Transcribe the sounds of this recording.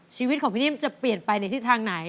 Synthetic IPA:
t͡ɕʰiː˧wt̪̚kʰːpʰiː˥˩i˥˩ə˨mt͡ɕa˨˩pli˨˩ənpa˧jna˧jt̪ʰi˥˩t̪ʰaː˧ŋna˩˦j

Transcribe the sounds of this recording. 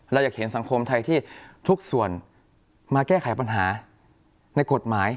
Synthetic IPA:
ɾa˧wjaː˨˩k̚he˩˦nsa˩˦ŋkʰo˧mt̪ʰa˧jt̪ʰiː˥˩t̪ʰu˦˥k̚su˨˩ən | maː˧kɛː˥˩kʰa˩˦jpa˧nɦaː˩˦ | na˧jko˨˩t̪̚maː˩˦j

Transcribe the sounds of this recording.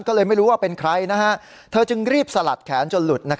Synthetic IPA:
nkɔː˥˩lɤː˧jma˥˩jɾuː˦˥waː˥˩pe˧nkʰɾa˧jna˦˥kʰa˦˥t̪ʰɤː˧t͡ɕɯ˧ŋɾiː˥˩p̚sa˧la̰˨˩t̪̚kʰɛː˩˦nt͡ɕo˧nlu˨˩t̪̚na˦˥kʰ

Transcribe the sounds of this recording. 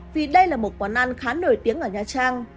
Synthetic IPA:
vi˨˩ɗə˧jlaː˨˩mo˨˩t̚kwaː˧˩nʔa˧nxaː˨˦nːo˧˩jt̪i˨˦əŋʔəː˧˩ɲaː˨˩t͡ɕaː˧ŋ

